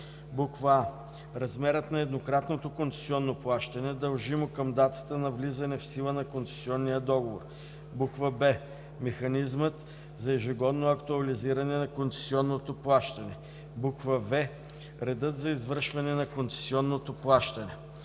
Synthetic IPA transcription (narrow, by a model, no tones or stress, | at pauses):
bukva | ɾɐzmɛɾət̪nɐɛd̪nokɾat̪not̪okont̪sɛ̥siɔnːoplˠaʃt̪ɐnɛd̪ɐlˠʒimokəmd̪at̪ə̥t̪ənɐvlizɐnɛfsilˠənɐkont̪sɛ̥siɔnːijəd̪ɔɡovor | bukvəbɛ | mɛxɐnizmət̪ | zɐɛʒiɡɔd̪noɐkt̪uɐliziɾɐnɛnɐkont̪sɛ̥siɔnːot̪oplˠaʃt̪ɐnɛ | bukvəvɛ | ɾɛd̪ɤt̪zɐizvəɾʃvɐnɛnɐkont̪sɛ̥siɔnːot̪oplˠaʃt̪ɐnɛ